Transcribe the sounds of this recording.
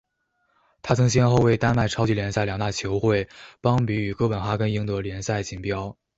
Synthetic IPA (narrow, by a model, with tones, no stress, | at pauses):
t̪ʰa˥t͡sʰɤ˧˥ŋɕ̬jɛ˥nxo˥˧ʊwe˥˩ɪt̪a˥nma˥˩ɪʈ͡ʂʰɑ˥ʊt͡ɕi˥ljɛ˧˥nsa˥˩ɪljɑ˨˩ŋnt̪a˥˩t͡ɕʰjo˧˥ʊxwe˥˩ɪpɑ˥ŋpi˧˥y˨˩kɤ˥pə˨˩nxa˥kə˥ni˥ŋt̪ɤ˧˥ljɛ˧˥nsa˥˩ɪt͡ɕi˨˩ŋpjɑ˥ʊ